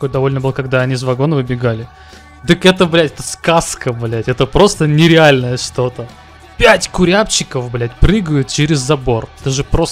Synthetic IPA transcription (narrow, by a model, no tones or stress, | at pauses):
t̪ɐko̞jd̪ɐvo̞lʲnəbɨlˠəkɐɡd̪aɐnʲizvɐɡo̞nəvɨbʲɪɡalʲɪ | d̪ɨkɛt̪əblʲætʲɛt̪əskaskəblʲætʲɛt̪əpɾo̞st̪ənʲɪɾʲɪalʲnəjəʂt̪o̞t̪ə | pʲætʲkʊɾʲapt͡ɕːɪkəfblʲætʲpɾɨɡəjʊt̪̚t͡ɕɪɾʲɪzːɐbo̞rɛt̪əʐɨpɾos